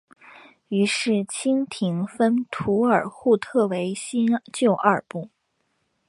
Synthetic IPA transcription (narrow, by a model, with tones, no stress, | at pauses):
y˧˥ʂɻ̩˥˩t͡ɕʰi˥ŋt̪ʰi˧˥ŋfə˥nt̪ʰu˧˥ə˞˨˩xu˥˧t̪ʰɤ˥˩we˧˥ɪɕi˥nt͡ɕjo˥˧ʊʔə˞˥˨˩pu˥˩